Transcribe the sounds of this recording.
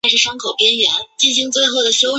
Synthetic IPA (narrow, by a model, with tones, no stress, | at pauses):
ʂɻ̩˥˩ʂɑ˥ŋkʰo˨˩ʊpjɛ˥nɥɛ˧˥nt͡ɕi˥˩t͡ɕʰi˥ŋt͡swe˥˧ɪxo˥˩ʊd̪ə˩ɕjo˥ʊ